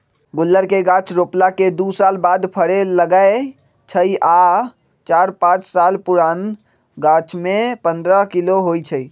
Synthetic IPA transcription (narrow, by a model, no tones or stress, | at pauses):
ɡulːəɾkeɡãt͡ʃɾoplaked̪usalbad̪pʰəɽeləɡae | t͡ʃʰəja | t͡ʃaɾpãt͡ʃsalpuɾan | ɡãt͡ʃmepənd̪ɾəkiloɦojt͡ʃʰəi